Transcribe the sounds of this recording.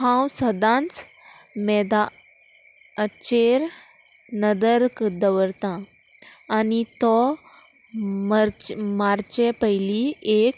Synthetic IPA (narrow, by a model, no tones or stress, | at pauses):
ɦãwsəd̪ãnt͡smɛd̪a | ət͡ɕɕeɾ | nəd̪əɾkəd̪əʋəɾt̪ãː | nit̪ɔ | mɾmaɾt͡ɕepəɦjliek